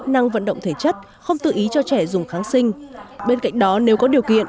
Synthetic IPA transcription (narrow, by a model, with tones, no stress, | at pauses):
na˧ŋvə̰˧˨nɗə̰˧˨ŋ͡mt̪ʰeː˧˩t͡ɕə˦˥t̚ | xə˧wŋ͡mt̪ɨ̰˧˨ʔi˨˦t͡ɕɔ˧t͡ɕɛ˧˩zʊ˨˩ŋ͡mxaː˨˦ŋsï˧ŋ̟ɓe˧nka̰˧˨jŋ̟ɗɔ˨˦ne˨˦wkɔ˨˦ɗi˨˩əwkḭ˧˨ən